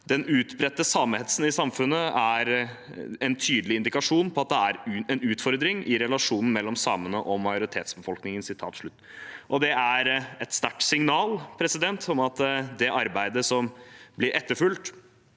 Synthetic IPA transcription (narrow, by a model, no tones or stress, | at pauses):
d̪ɛnʉːt̪bɾɛt̪ːəsɑːmhɛt̪ə̥sn̩ɪsɑmfʉnːəæɾ | ɛnt̪ʰyːd̪əlɪɪnd̪ɪkɑʂuːnpʰɔɑt̪̚d̪ɛæɾʉɛnʉːt̪fɔɾd̪ɾɪŋʔɪɾɛlɑʂuːnn̩mɛlːɔmsɑːmənəʔɔmɑjʊɾɪt̪ʰeːt̪sbəfɔlknɪŋənsɪt̪ʰɑ̰ːt̪ʂɭʉt̪ːʔɔd̪ɛæɾɛt̪st̪æʈːsɪŋnɑːlpʰɾɛsɪd̪ɛnt̪ʰɔmɑt̪d̪ɛʔɑɾbæɪd̪əsɔmblɪɾʔɛt̪ːəɾfʉlt̪